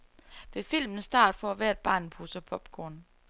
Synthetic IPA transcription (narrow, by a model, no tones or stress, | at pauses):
ʋe̝fil̰mn̩sd̥ɑ̰̈ːd̥fɒæʋæɐed̥̚b̥ɑ̰̈ːnpʰusəpʰɒ̽b̥ɡ̥ɔn̰